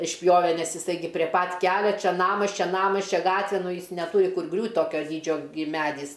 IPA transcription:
ɪʃʲˈpʲjoːʋʲɛ ˈnʲɛs ɪˈsɐɪ ˈɡʲɪ pʲrʲiɛ ˈpɐt ˈkʲæːlʲɛ ˈt͡ʃʲɛ ˈnɑːmɐs ˈt͡ʃʲɛ ˈnɑːmɐs ˈt͡ʃʲɛ ˈɡɑːtʲʋʲɛ ˈnʊ ˈjɪs nʲɛˈtuːrʲɪ ˈkʊr ˈɡrʲuːtʲ ˈtoːkʲoː ˈdʲiːd͡ʒʲoː ɡʲɪ ˈmʲæːdʲiːs

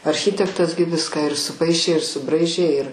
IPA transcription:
ɐrʲˈxʲɪtʲɛktɐs ɡʲɪ ˈʋʲɪskɑː ɪr sʊˈpɐɪʃʲeː ɪr sʊˈbrɐɪʒʲeː ɪr

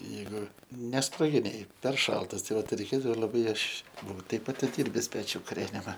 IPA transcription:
ˈjɛɪɡʊ ˈnʲæːsproːɡʲɪnʲeːj pʲɛr ˈʃɐlˠtɐs ˈtɐɪ ˈʋɐt rʲɛɪˈkʲeːdɐʋoː lˠɐˈbɐɪ ˈɐʃ ˈbʊɐʊ ˈtʲɛɪp ɐtʲɪˈdʲiːrʲbʲɪsʲˈpʲæːt͡ʃʲʊ kʊˈrʲæːnʲɪmɐ

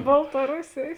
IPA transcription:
bɐlˠtɐˈrʊsʲeːjeːs

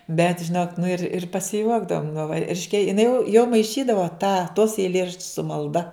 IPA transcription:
bʲɛt ʒʲɪˈnoːk nʊ ɪr ɪr pɐsʲɪˈjuɔɡdɐʋoːm nʊ ʋɐ ˈrʲɪʃʲkʲɛ jɪˈnɐɪ jɛʊ jɛʊ mɐɪˈʃʲiːdɐʋoː tɑː toːs ɛɪˈlʲeːrɐʃʲt͡ʃʲʊs sʊ mɐlˠˈdɐ

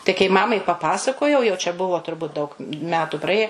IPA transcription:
tɐɪ kɐɪ ˈmɑːmɐɪ pɐˈpɑːsɐkoːjɛʊ jɛʊ t͡ʃʲɛ ˈbʊʋoː tʊrˈbʊt dɐʊk ˈmʲæːtʊ prɐˈeːjɛ

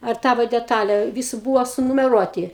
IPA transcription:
ɐr ˈtɑːʋoː dʲɛˈtɑːlʲɛ ˈʋʲiːsʊ ˈbuːʋoː sʊnʊmʲɛˈruɔtʲɪ

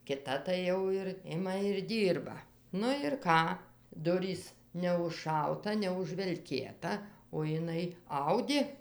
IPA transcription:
kʲɪˈtɐ tɐɪ ˈjɛʊ ɪr ˈɪmɐ ɪr ˈdʲiːrbɐ nʊ ɪr ˈkɑː ˈdʊrʲiːs nʲɛʊʃˈʃɐʊtɐ nʲɛʊʒʲʋʲɛlʲˈkʲeːtɐ oː jɪˈnɐɪ ˈɐʊdʲeː

